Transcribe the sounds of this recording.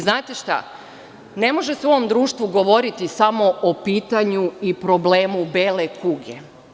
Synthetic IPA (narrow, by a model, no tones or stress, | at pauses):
znaːt̪eʃt̪a̰ | ne̞mo̞ʒeseoʋomd̪ɾuːʃt̪ʋuɡo̞ʋo̞ɾit̪isamo̞ʔopiːt̪aɲuipɾo̞bleːmubeːlekuɡḛ